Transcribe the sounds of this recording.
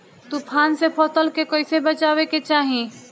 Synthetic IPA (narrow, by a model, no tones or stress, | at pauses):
t̪upʰaːnsepʰɔːt̪əlkekoːisebət͡ʃaːweket͡ʃaːɦĩ